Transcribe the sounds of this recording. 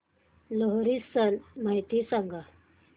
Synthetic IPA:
loɦɾisənmaɦit̪isaŋɡa

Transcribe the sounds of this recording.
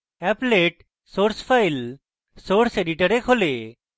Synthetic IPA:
ɛpleʈ | soɾspʰajl | soɾseɖiʈəɾekɦole

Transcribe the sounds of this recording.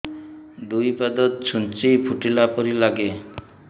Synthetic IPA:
d̪ujpad̪ɔt̪̚t͡ʃʰunt͡ʃipʰuʈilapɔɾilaɡe

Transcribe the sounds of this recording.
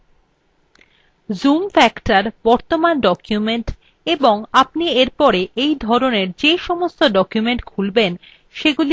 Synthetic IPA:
zumfɛkʈaɾb̥ɔɾt̪omanɖɔkjumeɳʈ | eboŋapnieɾpɔɾeʔejd̪ʱɔɾoneɾd͡ʑeʃɔmost̪oɖɔkjumeɳʈkʰulben | ʃeɡuli

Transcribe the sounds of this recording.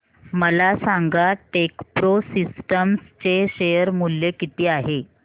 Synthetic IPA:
məlasaŋɡaʈekpɾosisʈəmst͡ɕeɕejəɾmuljekit̪iːaɦe

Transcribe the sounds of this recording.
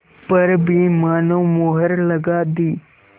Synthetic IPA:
pəɾbʱiːmaːnoːmoːɦəɾləɡaːd̪iː

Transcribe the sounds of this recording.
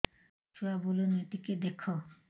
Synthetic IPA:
foabolonojt̪iked̪ekʰːo

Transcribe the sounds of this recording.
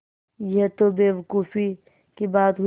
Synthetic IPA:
jɛɦt̪obeːʋɐkuːfi | kibaːt̪ɦu

